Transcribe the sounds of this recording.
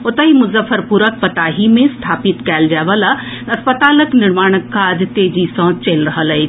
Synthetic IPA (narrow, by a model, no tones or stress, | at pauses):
ot̪əɦimʊzəfəɾpuɾək̚pət̪aːɦimẽst̪ʰaːpit̪kɛːld͡ʒaːʋəla | ɐspət̪aːləknɪɾmaːɽ̃əkːad͡ʒt̪eːd͡ʒisə̃ːt͡ʃelɾəɦələi